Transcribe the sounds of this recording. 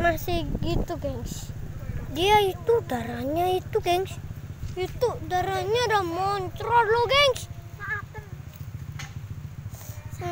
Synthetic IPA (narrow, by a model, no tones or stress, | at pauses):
masɪhɡit̪uɡɛŋs | diait̪ud̪̥aɾaɲait̪uɡɛŋsit̪udaɾaɲadamɔnt͡ʃɾɔloɡɛŋs